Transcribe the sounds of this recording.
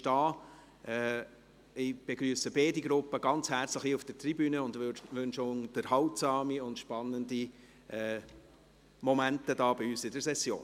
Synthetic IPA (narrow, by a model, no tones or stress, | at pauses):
ʃtɑː | ʔɛ | ɪb̥eɡɾyːsəbeːdiɡɾʊpːəɡ̥ɑnt͡shæɾt͡sləχiufd̥ətribyːnəʊndʋøʋønʃond̥əɾhɑwtsɑːmiʊntʃpɑnːəndi | ɛː | mɔmæntədɑːbiyːsɪdəɾsɛsjo̰ːn